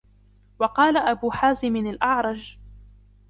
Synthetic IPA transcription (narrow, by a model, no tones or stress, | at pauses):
wɑqɑːlaʔabuːħaːzɪmɪnalʔɑʕɾˤɑd͡ʒ